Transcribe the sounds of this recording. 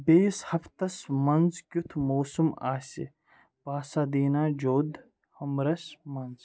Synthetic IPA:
beːshɐpʰt̪ɐsmɐnzkʲut̪ʰmoːsuma̰ːsḭ | paːsaːd̪iːnaːd͡ʒoːd̪ | hɐmɾɐsmɐnz

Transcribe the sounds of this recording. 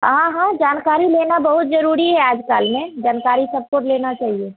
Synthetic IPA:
ɦãɦãd͡ʒaːnkaːɾileːnabəɦʊt̪d͡ʒəɾuːɾiɦɛaːd͡ʒkaːlmẽd͡ʒaːnkaːɾisəb̚koʈleːnat͡ʃaːɦie

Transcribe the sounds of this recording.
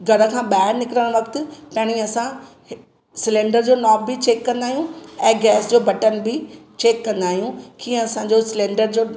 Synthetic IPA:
ɡʱɐɾə̆kʰãːɓaːɪɾnɪkɪɾəɽ̃ʋɐkt̪ɪ̆pɐ̃ɦɪɽ̃ĩɐsã | sɪlẽːɳɖəɾd͡ʑoːnɔːbbɪt͡ɕeːkːɐ̃nd̪aːɦijũɛ̃ːɡɛːsd͡ʑoːbɐʈənbɪt͡ɕeːkːɐ̃nd̪aːɦijũkiːə̃ɐsãɲd͡ʑoːsɪlẽːɳɖəɾd͡ʑoː

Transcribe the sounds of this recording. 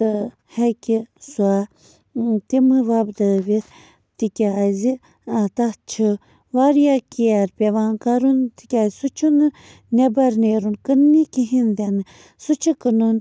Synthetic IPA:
t̪ɨ | hɛkisua | t̪imɨʋabd̪ɐʋit̪ | t̪ikʲaːjzi | at̪at͡ʃʰɨ | ʋaɾjakiaɾpʲeʋaːnkaɾunt̪i̥kʲaːzsut͡ʃʰunɨ | nebɐɾneːɾunkənːikiɦind̪ʲenɨ | sut͡ʃʰɨkɨnun

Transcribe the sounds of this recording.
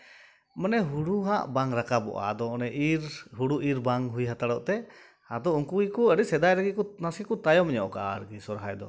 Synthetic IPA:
mənɛɦuɽuɦaʔbaŋɾakabɔ̰ʔa̰d̪ɔɔnɛʔiɾɦuɽuʔiɾbaŋɦujɦat̪aɽɔʔt̪ɛ | ad̪ɔuŋkuikɔəɖisɛd̪ajɾaɡikɔnasikɔt̪ajɔmɛɲɔʔɔkaʔa̰ɾɡisɔɾɦajd̪ɔ̰

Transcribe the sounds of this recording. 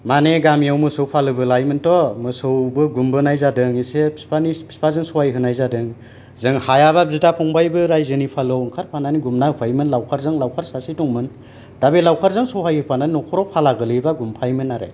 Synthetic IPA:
maneɡamijawmɯsɯwpʰalɯbɯlajmɯntɔmɯsɯwbɯɡumbɯnajzadɯŋisepʰispanipʰi̥spazɯŋsɔwajɦɯnajzadɯŋ | zɯŋhajabab̚zitapʰɔŋbajbɯɾajzɯnipʰalawɯŋkʰaɾpʰananiɡumnaɯpʰajmɯnlawkʰaɾzɯŋlawkʰaɾsasitɔŋmɯn | d̥abelawkʰaɾzɯŋsɔwɦajhɯpʰananinɔkʰɔɾɔwpʰalaɡɯlɯjbaɡumpʰajmɯnːaɾa̰j

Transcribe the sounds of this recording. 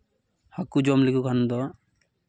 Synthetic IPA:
hakud͡ʒɔmlikukʰanud̪ɔ

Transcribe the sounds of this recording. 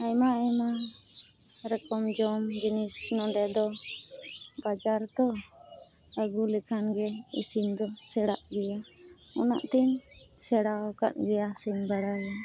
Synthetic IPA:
ajmaajma | ɾəkɔmd͡ʒɔmd͡ʒinisnɔɖɛd̪ɔ | bad͡ʒaɾt̪ɔ | əɡulɛkʰanɡɛḭsimd̪ɔsɛɽaʔɡɛja | ɔna̰ʔt̪ɛɲsɛɽawka̰t̪̚ˀɡɛjasiɲbaɽaja

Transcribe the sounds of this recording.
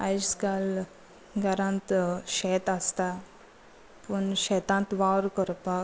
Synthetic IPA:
ɐjskal | ɡɐɾant̪ʃeːt̪ɐst̪a | punʃet̪ãnt̪ʋaːwɾkɔɾpa

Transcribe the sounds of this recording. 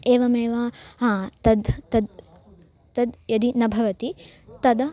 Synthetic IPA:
eːʋɐmeːʋɐɦãːt̪ɐd̪t̪ɐd̪ | t̪ɐd̪jɐd̪inɐbʱɐʋɐt̪it̪ɐd̪ɐ

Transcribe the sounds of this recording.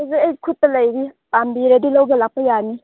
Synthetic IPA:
azeejkʰut̪̚ːalɐjɾi | pambiɾedilowbelak̚pajani

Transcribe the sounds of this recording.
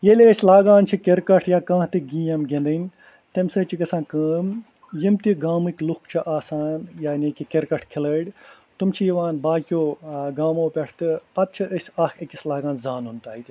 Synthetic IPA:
jelʲeəsʲlaːɡaːnt͡ʃʰikʲeɾkɐʈʰjaːkãːt̪iɡĩːjɐmɡẽnd̪ɐnʲ | t̪emsɐt͡ʃʰikɐsãːnkəːm | jimt̪iɡaːmɨkʲlukt͡ʃʰiʔaːsaːnjaːnʲekʲikeɾkɐʈʰkʰiləːɽʲ | t̪umt͡ʃʰijiʋaːnbaːkʲoːɡaːmõːpʲɐʈʰt̪ɨɐt̪̚t͡ʃʰiʔəsʲaːkʰekislaːɡaːnzaːnunt̪aːit̪ʲi

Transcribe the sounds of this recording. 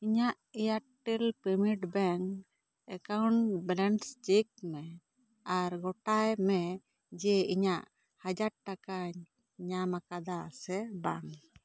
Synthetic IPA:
iɲaʔijaʈːelpimiʈbɛŋ | ɛkawɳbɛlɛnst͡ʃek̚mɛ | aɾɡɔʈajmɛ | d͡ʒɛiɲaʔ | had͡ʒaɾ̚ʈakaɲ | ɲamakad̪asɛbaŋ

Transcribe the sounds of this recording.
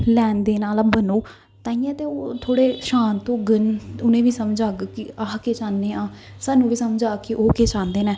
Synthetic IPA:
lɛːnd̪eːnaːlaːbənoː | t̪ãːĩːɛ̃ːt̪eːoːt̪ʰoːɽeːʃaːnt̪õːɡənʊnẽːʋiːsəmd͡ʒaːɡkɪaːkeːt͡ʃaːndeːãː | saːnũːʋiːsəmd͡ʒaːkɪʔoːkeːt͡ʃaːnd̪eːnɛː

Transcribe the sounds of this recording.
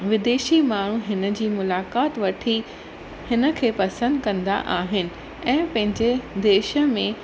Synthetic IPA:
ʋɪd̪eːʃimaːɽ̤̃uɦɪnə̆d͡ʑiːmʊlaːkaːt̪ʋɐʈʰi | hɪnə̆kʰeːpɐsə̃nd̪kɐ̃nd̪a̰ʔaːɦɪnɪ̆ | ɛ̃ːpɐ̃ɦɪ̃ɲd͡ʑed̪eːʃə̆mẽ

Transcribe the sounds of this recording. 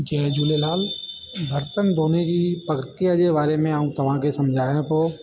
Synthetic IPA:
d͡ʒɛːd͡ʒuːlelaːl | bʱəɾt̪ənd̪oːnekipəkəɾkeəd͡ʒeβaːɾemẽaũt̪ɐʋãkesɐmd͡ʒʱaːjẽt̪oː

